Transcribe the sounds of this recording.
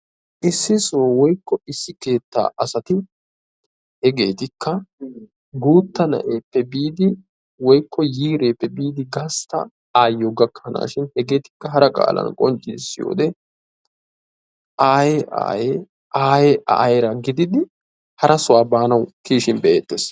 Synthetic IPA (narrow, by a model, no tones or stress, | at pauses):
ʔɪsːɪsoːwɔjkːɔɪsːɪke̞ːt̪ːa̰ːʔɐsɐt̪ɪ | hɛɡe̞ːt̪ɪkːɐ | ɡuːt̪ːɐnɐ̰ʔeːpːɛbiːd̪ɪ | wɔjkːɔjiːɾe̞ːpːɛbiːd̪ɪɡɐst̪ɐ̰ | aːjːɔɡɐkʰːɐna̰ːʃɪnhɛɡe̞ːt̪ɪ̥kːɐɦɐɾɐkʼa̰ːlɐ̰nkʼɔnt͡ʃʼːɪd̪ɪsːɪjo̰ːd̪ɛ | ʔaːjɛʔa̰ːje | ʔaːjɛʔa̰ːjɛɾɐɡɪd̪ɪd̪ɪ | hɐɾɐsʊwaːbaːnɐwkiːʃɪnbɛʔeːt̪ːeːs